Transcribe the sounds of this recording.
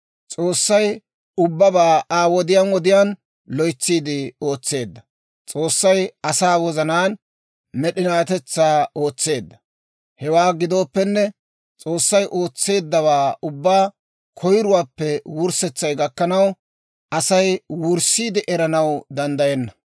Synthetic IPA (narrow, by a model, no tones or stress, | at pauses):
t͡sʼo̞ːsːɐj | ʊbːɐbaːaːwɔd̪ɪjaːnwɔd̪ɪjaːn | lɔjt͡sːiːd̪ɪo̞ːt͡sːe̞ːd̪ːɐ | t͡sʼo̞ːsːɐjɐsaːwɔzɐnaːn | mɛɗɪnaːt̪ɛt͡sːaːo̞ːt͡sːe̞ːd̪ːɐ̥ | hɛwaːɡɪd̪o̞ːpːɛnːɛ | t͡sʼo̞ːsːɐjʔo̞ːt͡sːe̞ːd̪ːɐβaːʔʊbːaː | kʰɔjɾʊwaːpːɛwʊɾsɛt͡sːɐjɡɐkːɐnɐw | ʔɐsɐjwʊɾsiːd̪ɪʔɛɾɐnɐwd̪ɐnd̪ɐjɛnːɐ